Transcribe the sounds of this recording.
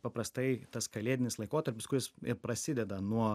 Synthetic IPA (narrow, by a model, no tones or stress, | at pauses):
pɐpɾɐst̪ɐɪt̪ɐskɐlʲeːd̪ʲɪnʲɪslˠɐɪkoːt̪ɐɾʲpʲɪskʊjɪsɪpɾɐsʲɪd̪ʲɛd̪ɐnuɔ